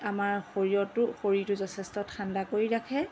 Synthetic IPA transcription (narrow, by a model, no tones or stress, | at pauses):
amaɹxoɹijɔtʊxoɹitʊzɔtʰɛstɔtxʰandakoɹiɹakʰɛ